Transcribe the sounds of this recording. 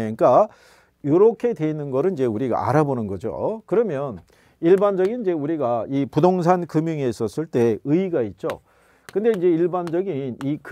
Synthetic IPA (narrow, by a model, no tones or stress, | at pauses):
k͈a | joɾokʰe̞dwe̞inɯnɡʌɾɯnid͡ʑe̞uɾiɡa̰a̰ɾabonɯnɡʌd͡ʑo̰kɯɾʌmjʌn | iɭband͡ʑʌɡinid͡ʑe̞uɾiɡaipudoŋs̬ʰankɯmjuŋes͈ʌs͈ɯɭt͈e̞ɯiɡait̚t͡ɕ͈o̰ | kɯnde̞ind͡ʑe̞iɭband͡ʑʌɡinik